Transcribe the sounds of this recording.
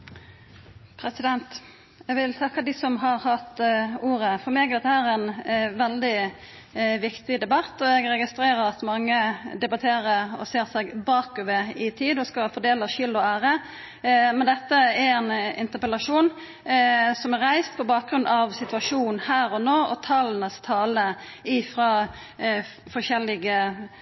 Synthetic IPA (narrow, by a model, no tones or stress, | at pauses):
pʰɾɛsɪd̪ɛnt̪ | ɛɡʋɪlt̪ʰɑkːəd̪ɪsɔmɦɑɾhɑt̪uːɾəfɔɾmeːɡd̪ɛt̪ːəhæːɾɛnʋɛld̪ɪ | ʋɪkt̪ɪd̪ɛbɑt̪ːɔɛɡɾɛɡɪst̪ɾeːɾəɾɑt̪mɑŋːəd̪ɛbɑt̪ʰeːɾəɾɔ̰seːʁsɛɡbɑːkʉʋəɪt̪ʰiːd̪ɔskɑfɔd̪eːlɑʃɪlɔæːɾə | mɛnd̪ɛt̪ːəɛɾɛnɪ̰nt̪əpɛlɑʂuːn | sɔmɛɾɾæɪst̪pʰɔbɑːk̚ɡɾʉnd̪ɑʋsɪt̪ʉɑʂuːnn̩hæːɾɔnoːɔt̪ʰɑlnəst̪ʰɑːlə | ɪfɾɑ | fɔʃɛlːɪɡə